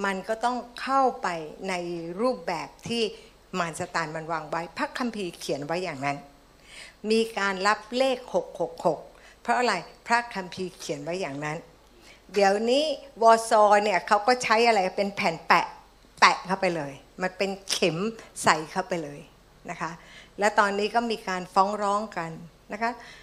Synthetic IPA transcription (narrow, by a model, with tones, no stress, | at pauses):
ma˧nkɔː˥˩t̪ɔ˥˩ŋkʰa˥˩wpa˧jna˧jɾuː˥˩p̚bɛː˨˩p̚t̪ʰiː˥˩ | ma˧nsa˧t̪aː˧nma˧nwaː˧ŋwa˦˥jpʰɾa˦˥kʰːa˧mpʰiː˧kʰi˩˦ənwa˦˥jːaː˨˩ŋna˦˥n | miː˧kaː˧nla˦˥p̚leː˥˩k̚ho˨˩k̚ho˨˩k̚ho˨˩k̚pʰɾɔ˦˥ʔa˧ɾa˧jpʰɾa˦˥kʰa˧mpʰiː˧kʰi˨˩˦ənwa˦˥jːaː˨˩ŋna˦˥n | di˩˦əwniː˦˥wɔː˧sɔː˧ni˥˩ɐkʰa˦˥wkɔː˥˩t͡ɕʰa˦˥jʔa˧ɾa˧jpe˧npʰɛː˩˦npɛ˨˩ʔ | pɛ˨˩ʔkʰa˥˩wpa˧jlɤː˧j | ma˧npe˧nkʰe˩˦msa˨˩jkʰa˥˩wpa˧jlɤː˧j | na˦˥kʰa˦˥ʔlɛː˦˥wt̪ɔː˧nːiː˦˥kɔː˥˩miː˧kaː˧nfɔː˦˥ŋɾɔː˦˥ŋka˧nː | a˦˥kʰa˦˥